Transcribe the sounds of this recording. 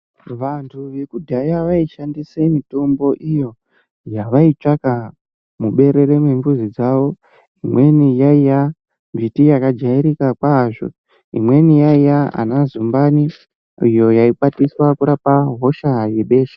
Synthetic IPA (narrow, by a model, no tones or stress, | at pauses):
ʋantʰuʋekudʱajaʋaiʃandisemito̞mbo̞ʔijo̞ | jaʋait͡ʂaka | muɓe̞ɾe̞ɾe̞mwemɡuzid͡zaʋo̞ | imwe̞nijaija | mvitijakad͡ʒaiɾikakwaʐo̰ | ḭmwe̞nijaijaa̰nazumbani | ijo̞jaiɓatiswakuɾapaɦo̞ʃaje̞ɓe̞ːʃḁ